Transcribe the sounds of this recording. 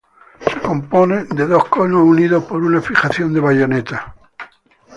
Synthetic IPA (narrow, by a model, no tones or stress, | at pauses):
se̥ko̞mpo̞ne̞d̪e̞ðo̞hkonohuniðohpo̞ɾunafiχaθjo̞nd̪e̞βaʝo̞net̪a